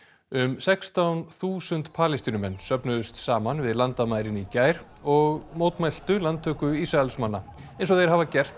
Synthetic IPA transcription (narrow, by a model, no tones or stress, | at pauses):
ʏmsɛkst̪awnθuːsʏnt̪pʰaːlɪst̪iːnʏmɛnːsœpnʏðʏst̪saːmanvɪðlant̪amaːjɾɪnicaːjɾ | ɔɣmoːwt̪majl̥t̪ʏlant̪ʰːœːkʏisɾaɛlsmanːaejnsɔðejɾ̥ɦavacɛr̥t̪